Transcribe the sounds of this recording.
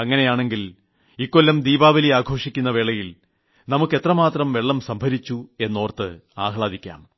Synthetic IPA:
ɐŋːɐne̞jaːɳe̞ŋɡil | ikːolːɐmd̪iːbaːʋɐliaːɡʱo̞ːʂikʲːunːɐʋe̞ːɭːɐjil | nɐmukːe̞t̪rɐmaːt̪rɐmʋe̞ɭːɐmsɐmbʱɐɾit͡ɕːue̞nːo̞ːrt̪ːɨaːɦɭaːd̪ikʲːa̰ːm

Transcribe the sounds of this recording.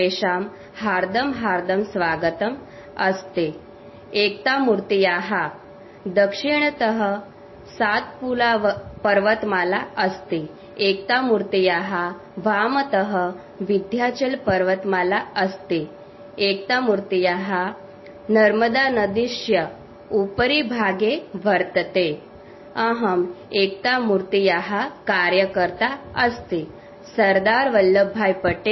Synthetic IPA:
eɕam | haɾd̪əmɦaɾd̪əmsʋaɡət̪əm | əst̪e | ekt̪amuɾt̪ijaɦa | d̪əkʂiɳ̃t̪əɦə | sat̪̚pulaʋpəɾʋət̪malaəst̪e | ek̚t̪amuɾt̪ijaɦa | ʋamət̪əɦə | ʋid̪ʱjat͡ɕelpəɾʋət̪malaəst̪e | ek̚t̪amuɾt̪ijaɦa | nəɾməd̪anəd̪iɕjə | upɾibʱaɡeʋəɾt̪t̪e | aɦəmek̚t̪amuɾt̪ijaɦakaɾjəkəɾt̪aəst̪e | səɾd̪aɾʋəlːəbʱːajpəʈe

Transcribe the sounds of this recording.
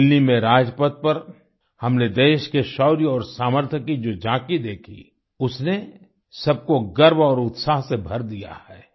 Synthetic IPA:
ɪlnimẽɾaːd͡ʒpət̪̚pɐɾ | hɐmned̪eːʃkeʃɔːɾjɔːɾsaːməɾt̪ʰəkid͡ʒoːd͡ʒãːkid̪eːkʰḭ | ʊsne | sɐb̚koɡɐɾbɔːɾʊt̪saːɦsebʱɐɾd̪ija̰hɛː

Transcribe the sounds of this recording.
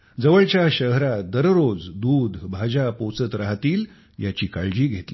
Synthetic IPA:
d͡zəʋəɭt͡ɕjaɕəɦɾad̪əɾɾod͡zd̪uːd̪ʱbʱad͡ʑapot͡sət̪ɾaɦt̪iːl | jat͡ɕiːkaɭd͡ʑiːɡʱet̪li

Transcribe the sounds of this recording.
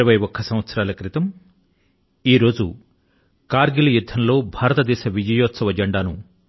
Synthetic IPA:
ɐbɐjɔkʰːɐsɐmʋɐt̪sɐɾaːlɐkɾit̪ɐm | iːɾo̞ːd͡ʒu | kaːɾɡilɐjud̪ʱːɐnlo̞ːbʱaːɾɐt̪ɐd̪ɛːʃɐʋid͡ʒɐjoːt̪sɐʋɐd͡ʒɐɳɖaːnu

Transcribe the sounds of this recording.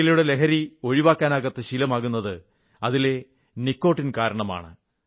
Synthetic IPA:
iluɽelekɐɾio̞ɻiʋaːkːaːnaːɣɐt̪ːɨɕilɐmaːɣunːɐðɨ | ɐðile̞ | nikːo̞ːʈːinkaːɾɐɳɐma̰ːɳɨ

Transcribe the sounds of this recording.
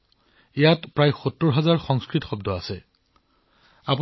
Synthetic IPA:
ijatpɹajxutɹɔɹɦazaɹxɔŋskɹitɔxɔbdɔasɛ | apu

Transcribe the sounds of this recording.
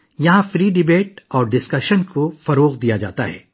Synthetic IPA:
jɐɦãfɾiːɖɪbeːʈɔːɾɖɪskɐʃənkofɐɾoːɣd̪ijad͡ʒa̰ːt̪aɦɛ̰ː

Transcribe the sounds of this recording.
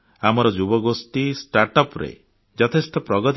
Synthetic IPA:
amɔɾɔd͡ʒubɔɡost̪isʈaɾʈɔpɾḛ | d͡ʒɔt̪ʰest̪ɔpɾɔɡɔt̪

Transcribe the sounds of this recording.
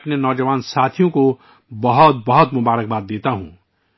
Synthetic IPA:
pnenɔːd͡ʒəʋaːnsat̪ʰijõko | bʌɦɔt̪̚bʌɦʊt̪mʊbaːɾək̚baːd̪ːeːt̪aɦṵ̃

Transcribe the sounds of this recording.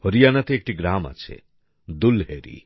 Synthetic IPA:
hoɾijanat̪eek̚ʈiɡɾama̰t͡ʃʰḛ | d̪ulɦeɾḭ

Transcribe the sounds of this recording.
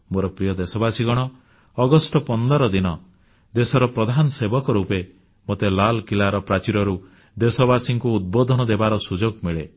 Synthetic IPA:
moɾɔpɾijɔd̪esɔbasiɡɔɽ̃ɔː | ɡɔsʈɔpɔnd̪ɔɾɔd̪inɔ | d̪esɔɾɔpɾɔd̪ʱanɔsebɔkɔɾupe | mot̪elalkilaɾɔpɾat͡ʃiɾɔɾu | d̪esɔbasiŋkuːd̪̚bod̪ʱɔnɔd̪ebaɾɔsud͡ʒoɡmiɭe

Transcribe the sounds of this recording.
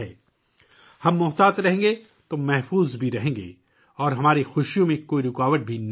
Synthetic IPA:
ɛː | hɐmːʊɦt̪aːt̪ɾɐɦẽːŋɡe | t̪omɛɦfuːzbʱiɾɐɦẽːŋɡḛː | ɔːɾɦɐmaːɾixʊʃjõmẽkoːiɾɪkaːʋəʈ̚bʱin

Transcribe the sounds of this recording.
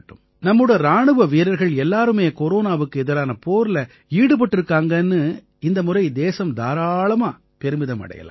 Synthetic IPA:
ʈːɯm | nɐmːɯɽɐɾaːɳɯʋɐʋiːɾɐɾɣɐɭɛlːaːɾɯmeːkoɾoːnaːʋɯkːɯɛðɪɾaːnɐpoːɾɪlɐ | iːɽɯp̬ɐʈːɪɾɯkːaːŋɡɐnːɯ | ɪnd̪ɐmʊrɐɪd̪eːsɐmd̪aːɾaːɭɐmaː | pɛɾɯmɪðɐmɐ̰ɽɐ̰jɐ̰la̰ː

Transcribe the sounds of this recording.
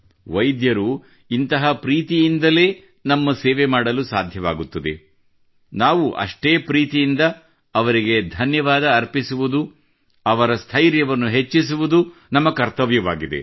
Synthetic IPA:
ʋɐjd̪jɐɾu | int̪ɐɦɐpɾiːt̪ijind̪ɐle̞ː | nɐmːɐseːʋemaːɽɐlusaːd̪ʱjɐʋa̰ːɡut̪ːɐd̪ḛ | naːʋuʔɐ̰ʂʈeːpɾiːt̪ijind̪ɐː | ʋɐɾiɡe̞d̪ʱɐnjɐʋaːd̪ɐːɾpisuʋud̪u | ɐʋɐɾɐst̪ʰɐjɾjɐʋɐnːuɦe̞t͡ʃːisuʋud̪unɐmːɐkɐɾt̪ɐʋjɐʋaːɡid̪e̞̰

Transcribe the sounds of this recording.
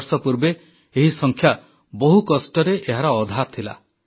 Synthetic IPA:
ɾsɔpuɾbe | eɦisɔŋkʰja | bɔɦukɔsʈɔɾeʔeɦaɾɔːd̪ʱat̪ʰila̰

